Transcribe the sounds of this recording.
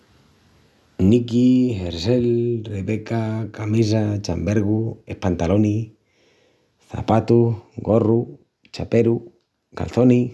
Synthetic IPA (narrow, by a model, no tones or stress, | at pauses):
nikiɦeɾselreβekakamis̬at͡ʃa̰mbeɾɣuehpant̪aloni | θa̰pat̪uɡoru | t͡ʃapeɾu | ka̰lθoni